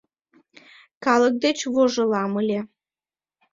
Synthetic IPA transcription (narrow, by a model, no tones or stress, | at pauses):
kɑlək̚d̪et͡ɕβoʒɤlɑməlʲe